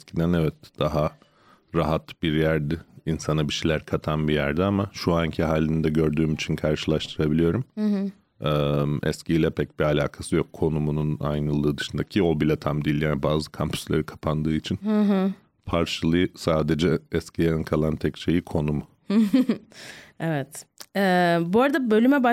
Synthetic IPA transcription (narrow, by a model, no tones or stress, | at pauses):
scʰid̪ænɛvɛt̪̚d̪̥aɦa | ɾaɦat̪biɾjæɾd̪ɪinsanabiʃejlʲæɾkʰat̪ʰanbijæɾd̪iamaʃuaɲcʰiɦaːlʲːinid̪ɛɟø̞ɾd̪yːmit͡ʃʰinkʰaɾʃɯlˠaʃt̪ʰɯɾabilʲijo̞ɾum | ɛːmɛ̰sciːlʲɛpʰɛc̚bialʲa̰ːkʰasɯjokʰːo̞numununa̰jnɯlˠd̪ɯːd̪ɯʃɯnd̪acʰio̞bilʲat̪ʰamd̪ijilʲjaːnibaːzɯkʰampʰy̥slʲeɾikʰḁpʰand̪ɯːit͡ʃʰinhɯɦ | pʰaɾt͡ʃʰɯlˠɯjɯsaːd̪ed͡ʒɛɛscʰijankʰalˠant̪ʰɛcʃe̞jikʰo̞num | evɛt̪ɛbuoɾad̪abø̞lʲymɛba